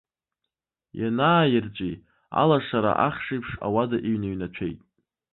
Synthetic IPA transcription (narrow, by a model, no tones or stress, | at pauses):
janaːjɪrt͡ʃʷʼi | a̰laʂaɾa̰ʔaχʂijpʰʂa̰wadaʔiɥnaɥnat͡ʃʷʰejtʼ